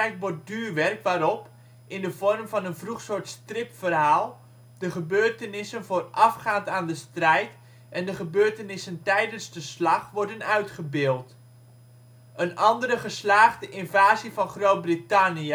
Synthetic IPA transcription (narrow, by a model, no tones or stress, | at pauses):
ɛjtʋɔt̚dyːrʋɛrkʋaːɾɔp | ʔɪndəvɔrmvɑnənvruχsoːɹtstrɪpfərɦaːlˠ | d̥əχəbøːrtənɪsənvoːrɑfχaːntaːndəstrɛjt | ʔɛndəχəbøːrtənɪsəntɛjdənzdəslɑχʋɔɹdənœɥtχəbɪːlˠt | ənʔɑndəɾəχəslaːχdəʔɪnvaːzivɑnχrowt̚britaniə